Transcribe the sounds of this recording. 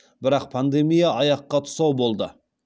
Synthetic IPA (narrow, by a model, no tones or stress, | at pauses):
bɪɾɑq̚pʰand̪e̞mijaɑjɑqːɑt̪ʰʊ̥sɑwbo̞lˠd̪ə̰